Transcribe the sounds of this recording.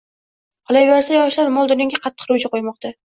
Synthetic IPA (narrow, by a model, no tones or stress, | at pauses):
qʰɒlˠajbeɾsajɒʃlaɾmɒlˠd̪ʊnɪŋʲɡʲaqʰɑt̪ːɨ̥qɾʊt͡ʃʰaqʰojmɒqt̪ʰa